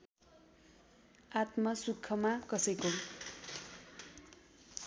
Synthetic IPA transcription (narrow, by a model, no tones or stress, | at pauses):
at̪mʌsukʰːʌmakʌsʌjko